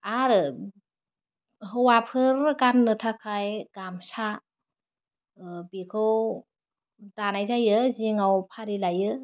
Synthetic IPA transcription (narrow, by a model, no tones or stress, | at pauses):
aɾɯ | ɦɯwapʰɯɾɡanːɯtʰakʰajɡ̥amsa | bikʰɯw | d̥anajzajɯziŋawpʰaɾilajɯ